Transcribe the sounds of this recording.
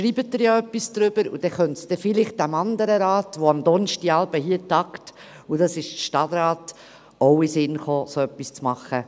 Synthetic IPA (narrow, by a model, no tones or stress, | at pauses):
ʃɾiːbət̚dəɾjaœpːisd̪̥ɾʏb̥əɾṵd̥ɛχœntsd̥ɛfɪlɪχt̚d̥æmɑndəɾəɾɑːtʋoɑmd̪ɔnʃtiɑlbəɦiːtɑkt | ud̥ɑsɪʃʃtɑd̪ɾɑːt | oʊisɪnχoːsoœpːist͡smɑχːə